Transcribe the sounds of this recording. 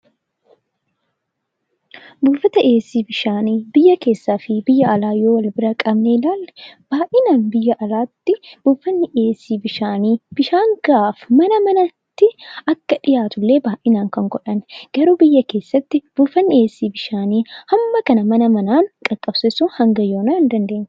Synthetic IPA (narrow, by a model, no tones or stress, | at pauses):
buːfɐt̪ɐʔeːsːiːbɪʃaːniːbɪjːɐke̞ːsːaːfɪbɪjːɐʔɐlaːjo̞ːwɐlbɪɾɐkʼɐbneɪlaːlːb̥aːʔɪnaːnbɪjːɐʔɐlaːt̪ːɪb̥uːfːɐnːɪʔeːsːiːbɪʃaːniːb̥ɪʃaːŋɡ̥aːfmɐnɐmɐnɐt̪ːɪɐkːɐᶑɪjaːt̪ʊlːe̞ːbaːʔɪnaːŋkɐŋɡɔᶑɐnɡ̥ɐɾuːbɪjːɐke̞ːsːɐt̪ːɪb̥uːfːɐnːɪeːsːiːbɪʃaːniːhɐmːɐkɐnɐmɐnɐmɐnaːnkʼɐkʼːɐbsesuːnhɐŋɡɐjoːnɐːɪnd̪ɐnd̪e̞ːnː